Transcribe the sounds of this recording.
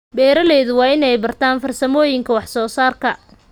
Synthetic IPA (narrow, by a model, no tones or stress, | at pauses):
bɛːɾɐlɛːðʊwɑːɪnɛjbɐrt̪ʰaːnfɐrsɐmɔːjɪŋkʰɐwɑħsɔːsaːrkʰɐ